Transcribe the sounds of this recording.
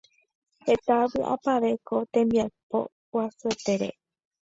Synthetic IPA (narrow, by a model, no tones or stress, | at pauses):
he̞t̪aβɨʔa̰paʋe̞kʰo̞t̪ẽ̞mbiajpo̰ | wasɨet̪eɾḛ